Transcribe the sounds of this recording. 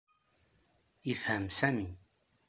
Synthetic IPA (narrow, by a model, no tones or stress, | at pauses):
əfhəmsæmi